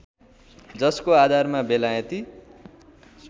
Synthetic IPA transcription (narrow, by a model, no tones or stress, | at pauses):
d͡zʌskoad̪ʱarmabelajʌt̪i | s